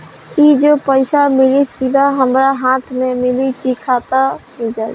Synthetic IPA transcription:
id͡ʒoːpəɪsamɪlisɪd̪ʱaɦəmɾaɦãːt̪ʰmẽmɪlikikʰat̪aɦid͡ʒaː

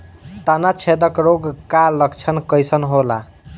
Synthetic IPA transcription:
t̪anat͡ʃʰed̪əkɾoɡkaləkt͡ʃʰənkəjsənɦola

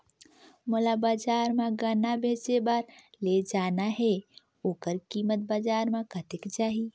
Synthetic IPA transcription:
molabaːd͡ʒaːɾmãɡanabʱeːt͡ʃebaːɾled͡ʒaːnaɦɛ | oːkəɾkiːmət̪̚bad͡ʒaːɾmãkət̪ɪkt͡ʃaːɦi

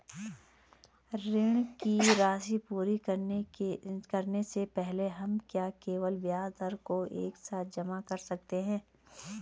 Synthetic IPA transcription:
ɾɪɽ̃kiɾaːsipuːɾi | kɐɾnesepɛɦleɦɐmkjaːkeːʋəlʋjaːzd̪əɾkoʔḛːksaːt̪̚ʰd͡ʒɐmakɐɾsɐk̚t̪eɦɛ̃ː

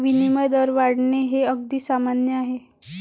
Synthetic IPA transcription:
ʋiniməjd̪əɾʋaɽɳeɦeəɡd̪iːsamanjəaɦe

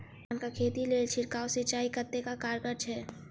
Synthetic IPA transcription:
nkakʰeːt̪ileːt͡ʃʰɪɾkaːwsɪt͡ʃaːikət̪ːekakaːɾɡəɾt͡ʃʰɛː

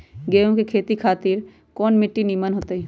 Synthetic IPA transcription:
ɡeːõkekʰeːt̪ikʰaːt̪iɾ | kɔːnmɪʈːinimənɦoːt̪eɛ

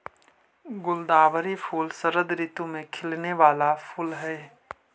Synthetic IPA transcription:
ɡʊld̪aːʋəɾifʰuːlsəɾəd̪ɾɪt̪umẽkʰɪlneʋaːlapʰʊlɦɛː

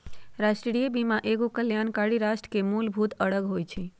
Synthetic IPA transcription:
ɾaʃʈɾɾiəbimãʔeɡokəljankaɽiɾaʃʈɾə̥kemulbʱut̪əɽəɡɦojt͡ʃʰe

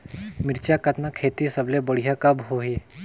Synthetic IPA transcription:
mɪɾt͡ʃakɐt̪nakʰeːt̪isɐblebəɽ̤ijakɐbɦoɦe

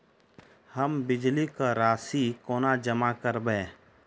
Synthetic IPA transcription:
həmbɪd͡ʒlikaɾaːsikoːnad͡ʒəmakəɾbẽː

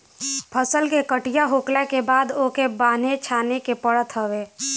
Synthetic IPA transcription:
pʰəsəlkekəʈijaɦoːklakebaːd̪okebaːnet͡ʃʰaːnekepəɽət̪ɦəbeː

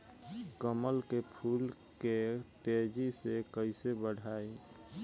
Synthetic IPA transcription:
kəməlkepʰuːl | ket̪ed͡ʒisekəɪsebəɽ̤ʱaːi

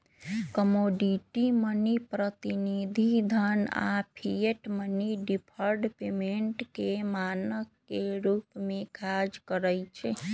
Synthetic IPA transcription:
kəmoɖiʈimənipɾət̪inid̪ʱid̪ʱəna̰pʰijeʈməniɖipʰəɾɖpemeɳʈkemanəkːeɾupmekad͡ʒkəɾəjt͡ʃʰɛ

